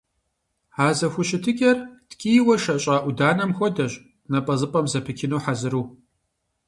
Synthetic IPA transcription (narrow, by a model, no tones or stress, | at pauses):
aːzɐxʷʊʃɪtʰɨkʲʼɐrtkʲʼijwɐʂɐɕʼaʔudaːnɐmxʷɔdɐʒ | nɐpʼɐzɨpʼɐmzɐpʰɨkʰʲɪnuːħazɨɾuː